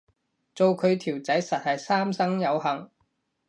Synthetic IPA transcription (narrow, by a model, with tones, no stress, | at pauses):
t͡so˨wkʰɵ˨˧ɥt̪ʰiː˨˩wt͡sɐ˨˥jsɐ˨t̚hɐ˨jsaː˥msɐ˥ŋjɐ˨˧wɦɐ˨˩ŋ